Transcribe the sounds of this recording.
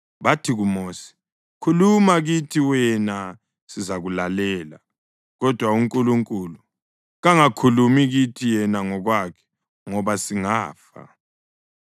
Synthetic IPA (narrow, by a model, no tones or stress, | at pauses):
βatʰiɣumoːsi̥ | kʰulumaɣitʰiwɛna | sizaɣulalɛːla | ɣɔd̥ʱwauŋkʼuluŋkʼulu | ɣaŋakʰulumiɣitʰijɛnaŋɔɣwakʰɛ̥ | ŋɔβasiŋa̰ːfa̰